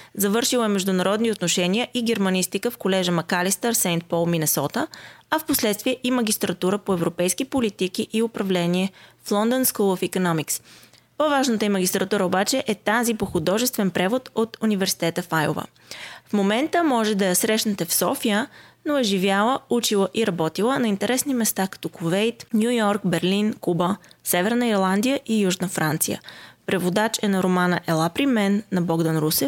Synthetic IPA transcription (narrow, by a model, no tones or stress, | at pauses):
zɐvɤɾʃilˠəɛmɛʒd̪ʊnɐɾɔd̪niot̪noʃɛniəʔiɡɛɾmɐnist̪ikəfkolɛʒəmɐkalist̪əɾsɛnt̪̚pɔlˠminɛsɔt̪əɐfposlɛt̪st̪viɛʔimɐɡ̟ʲist̪ɾɐt̪uɾəpoɛvɾopɛjskipolit̪ik̟iʔiʊpɾɐvlɛniɛflˠɔnd̪onskulˠəfikonɔmiks | povaʒnət̪əimɐɡ̟ʲist̪ɾɐt̪uɾəobat͡ʃɛʔɛt̪azipoxʊd̪ɔʒɛst̪vɛnpɾɛvot̪ot̪univɛɾsi̥t̪ɛt̪əfajo̰və̰ | fmomɛnt̪əmɔʒɛd̪ɐjɐsɾɛʃnət̪ɛfsɔfijənoɛʒivjalˠəut͡ʃilˠəʔiɾɐbɔt̪ilˠənɐint̪ɛɾɛsnimɛst̪akɐ̥t̪ɔkovɛjt̪nʲjujɔɾkbɛɾlinkubəsɛvɛɾnəiɾlˠand̪ijəʔijuʒnəfɾant̪sijə̰pɾɛvod̪at͡ʃɛnɐɾomanəʔɛlˠapɾimɛnːɐbɔɡd̪ənɾusɛ